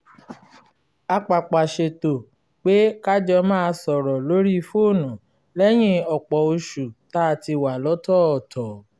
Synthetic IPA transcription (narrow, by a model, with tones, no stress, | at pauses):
a˧k͡pa˨k͡pa˨ʃe˧to˨ | k͡pe˦ka˦d͡ʒɔ˧mãː˦˧sɔ˨ɾɔ˨lo˦ɾi˦˧fo˦˨nũ˨ | lɛ˦j̃ĩ˦ɔ˨k͡pɔ˨o˧ʃu˨ta˦˧˨ti˧wa˨lɔ˨˦tɔ˦ɔ˨tʰɔ˨